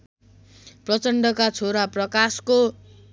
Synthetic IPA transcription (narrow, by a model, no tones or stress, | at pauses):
prʌt͡sʌɳɖʌkat͡sʰoɾaprʌkasko